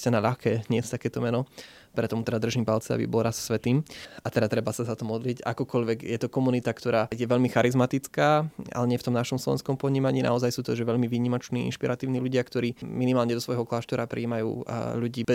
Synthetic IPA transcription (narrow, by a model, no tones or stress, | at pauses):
canaʎaxkɛːɲɪɛst̪akɛːt̪ɔmɛnɔ | pɾɛt̪ɔmut̪ɛd̪ad̪r̩ʒimpalt͡sɛa̰bḭbɔlɾassʋɛt̪iːmat̪ɛd̪at̪ɾɛbasazat̪ɔmɔd̪lica̰kɔkɔʎʋɛɡjɛt̪ɔkɔmunit̪akt̪ɔɾaːjɛʋɛʎmixaɾizmat̪it͡skaːa̰lɛɲɪɛft̪ɔmnaʃɔmslɔʋɛ̰nskɔmpɔɲiːmaɲiːna̰ɔzajsuːt̪ɔʒɛʋɛʎmiʋiːɲimɔt͡ʃniːḭnʃpiɾat̪iːʊniːluɟɪakt̪ɔɾiːminimaːlɲɛd̪ɔsʋɔjɦɔklaːʃt̪ɔɾapɾḭːmajṵːʎuɟiːb